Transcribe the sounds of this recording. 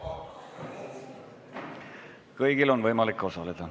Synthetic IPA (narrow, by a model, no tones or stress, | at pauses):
kɤjɡ̥ilo̞nvɤjmɑlikːˑo̞sɑled̪̥ɑ